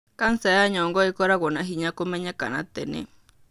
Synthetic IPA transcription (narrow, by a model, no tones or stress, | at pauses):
kansaaɲɔ̃ŋɡɔikɔɾaɡonãɦiɲãkomeɲãka̰nã̰t̪enḛ̃